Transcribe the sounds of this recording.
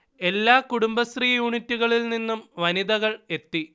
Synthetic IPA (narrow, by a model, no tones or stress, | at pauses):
e̞lːaːkuɽumbɐst̪riːjuːɳitːuɣɐɭilninːumʋɐniðɐɣɐɭe̞t̪ːi